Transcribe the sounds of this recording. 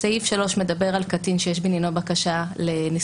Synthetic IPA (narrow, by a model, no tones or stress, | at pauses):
saifʃalo̞ʃme̞d̪abe̞ʁalkatinʃejeʃbinjanobakaʃaleni